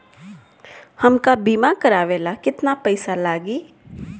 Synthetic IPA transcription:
hɐmkabiːmakɐɾaːʋeːlakɪt̪napɛɪsalaːɡiː

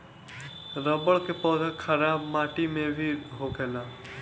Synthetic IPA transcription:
ɾəbəɭkepɔːzəkʰəɾaːbmaːʈimẽbʱiɦoɡɛlaː

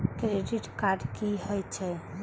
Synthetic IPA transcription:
kɾeɖiʈkaɾɖkiɦɔjt͡ʃʰe

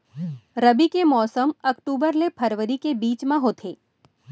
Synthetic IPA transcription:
ɾəbikemɔːsəmɐkʈuːbəɾlepʰəɾʋəɾikebiːt͡ʃmãɦoːt̪ʰeː

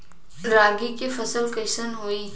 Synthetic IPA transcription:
ɾaːɡikifɐsəlkɐɪsənɦoːiː

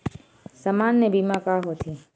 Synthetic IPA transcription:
səmanːebʱimãkaɦot̪ʰi

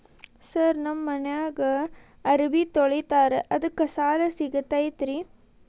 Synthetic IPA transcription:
sɐɾnɐmːɐnɐjaːɡɐ | ɐɾibit̪oɭit̪aːɾeʔɐd̪ɐkːɐsaːlɐsiɡɐt̪ːɐjt̪ɾi

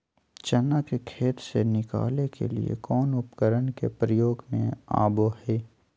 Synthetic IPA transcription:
t͡ʃɐnakekʰeːt̪senɪka̰ːlekʰḛlḭḛkɔːnʊpkəɾənkepɾəjoːɡmḛ̃a̰ːbohɛː

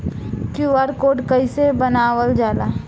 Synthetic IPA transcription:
kuʋaːɾkoːɖkəisebənaːwəld͡ʒaːla

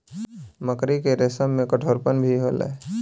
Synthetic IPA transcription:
məkɾikeɾesəmːẽkəʈʰoːɾpənbʱiɦoːlḛː

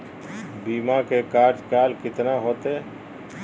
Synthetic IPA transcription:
biːmakekaːɾd͡ʒkaːlkɪt̪naɦoːt̪e

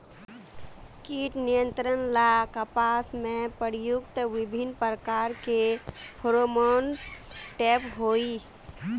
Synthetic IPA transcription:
kiʈnijə̃nt̪ɾənlakəpasmẽpəɾjʊkt̪əʋɪbʱinpɾəkaːɾkepʰoɾomonʈeːpɦoːi

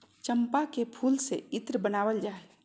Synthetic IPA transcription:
t͡ʃə̃mpakepʰuːlseɪt̪ɾbənaːwəld͡ʒaːe

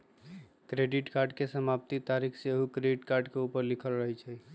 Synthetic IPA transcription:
kɾeɖiʈkaɾɖkesəmapt̪it̪aɾikʰseɦukɾeɖiʈkaɾɖkeupəɾlikʰəlɾəɦɛt͡ʃʰɛ

